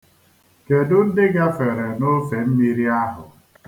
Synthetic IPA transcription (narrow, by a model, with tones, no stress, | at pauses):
ke˨dʊ˦n̩˦dɪ˦ɡa˦fe˨ɾe˨no˦fe˨m̩˦mi˦ɾi˦a˦ɦʊ̰˨